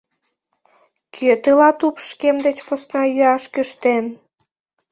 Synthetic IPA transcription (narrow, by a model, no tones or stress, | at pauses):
kʰøt̪əlɑt̪upʃkemd̪et͡ɕposnɑjyɑʃkyʃt̪en